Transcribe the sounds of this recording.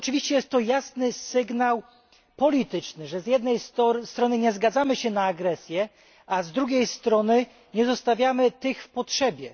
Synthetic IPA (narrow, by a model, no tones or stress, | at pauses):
ɔt͡ʂɘvʲiɕt͡ɕɛjɛst̪ːɔjasnɘsɘɡnaw | pɔlʲit̪ɘt͡ʂnɘʐɛzʲjɛd̪nɛjsst̪ɾɔnɘɲɛzɡad̪zamɘɕɛnaːɡɾɛsʲjɛ | azd̪ɾuɡʲejst̪ɾɔnɘ | ɲɛzɔst̪avʲjamɘt̪ɘxfpɔtʂɛbʲjɛ